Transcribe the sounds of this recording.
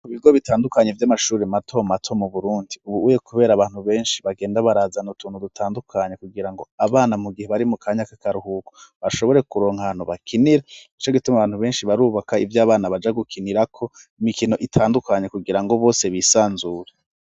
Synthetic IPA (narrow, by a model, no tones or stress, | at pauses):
kuβiɡo̞βitaːndukaɲe̞vjamaʃuːɾematʰo̞matʰo̞muβuɾuːndiuβuuje̞kuβe̞ːɾaːβaːn̥huβe̞ːnʃi̥βaɡeːndaβaɾaːzanutuːn̥udutʰaːndukʰaɲekuɡiɾaŋɡo̞aβaːnamuɡiheβaɾimukʰaːɲakakaɾuhukoβaʃo̞βo̞ɾe̞kuɾo̞ːŋhanuβakʰiniɾait͡ʃaɡitumaβaːnhuβe̞ːnʃiβaɾuːβakaḭvjaːβaːnaβad͡ʒaɡukʰiniɾakʰo̞ | imikino̞ʔitʰaːndukaɲe̞kuɡiɾaŋɡo̞βo̞ːse̞βiːsaːnzuːɾe